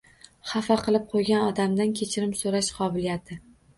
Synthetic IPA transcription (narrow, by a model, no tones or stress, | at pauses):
χɑfaqɨlˠɪp̚qʰojɡʲanɒd̪amd̪ankʲʰet͡ʃʰɪɾɪmsoɾaʃqʰɒbɪlijat̪ʰɪ